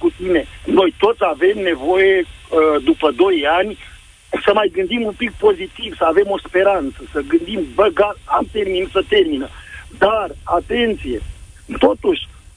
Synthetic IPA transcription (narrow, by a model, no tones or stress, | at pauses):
kut̪ine̞no̞jt̪o̞t̪sʲave̞mne̞vo̞jeəd̪upəd̪o̞janʲ | səmajɡɨnd̪imumpik̚po̞zit̪ivsəave̞mo̞spe̞ɾant̪səsəɡɨnd̪imbəɡaramt̪erminsət̪e̞rminəd̪arat̪e̞nt̪sije̞t̪o̞t̪uʃʲ